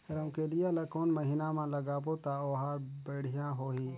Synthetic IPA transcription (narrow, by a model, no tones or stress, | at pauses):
əɾəmkelijalakoːnməɦiːnamãləɡaːpot̪aoːɦaːɾbeːɽ̤ijãɦoːɦiː